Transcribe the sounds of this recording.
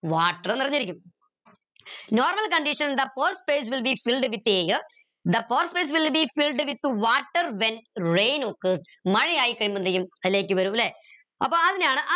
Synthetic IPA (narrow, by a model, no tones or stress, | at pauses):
ʋaːʈːɐrenirɐɲːɐɾikʲːum | noːrmɐlkɐɳɖiʂɐnd̪ɐpoːrspeːs̬ʋilbifilɖʋit̪ːeːjɨ | d̪ɐpoːrspeːs̬ʋilbifilɖɨʋit̪ːuʋaːʈːɐrʋenrejnoːkːɨs | mɐɻijaːjikːɐɻimɐnd̪ɐjumɐðile̞ːk̬ʲːɨʋɐɾumlːe | ɐpːɐːɐðinaːɳɨʔɐ